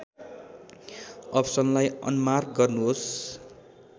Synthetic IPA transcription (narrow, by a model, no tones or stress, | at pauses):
ʌpsʌnlajʌ̰nmarkɡʌrnuɦos